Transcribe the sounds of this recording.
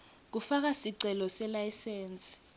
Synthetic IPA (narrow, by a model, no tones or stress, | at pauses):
k̬ufak̬asiǀʱɛlɔsɛlajsɛːnt͡sʼi̥